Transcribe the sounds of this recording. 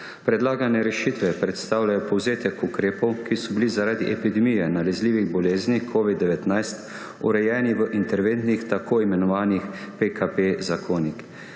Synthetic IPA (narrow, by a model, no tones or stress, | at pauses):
pɾɛd̪laːɡanɛɾɛʃit̪ʋɛpɾɛt̪st̪aːwlajɔpɔwzeːt̪ɛkukɾeːpɔwkisɔbilizaɾaːd̪iʔɛpid̪ɛmijɛnalɛzliːʋiɣbɔleːznikʰoːʋid̪ːɛʋɛt̪najst̪ | ṵɾɛjɛːniʋəʔint̪ɛɾʋent̪nixt̪akʰoːimɛnɔʋaːnixpekapezakʰoːnik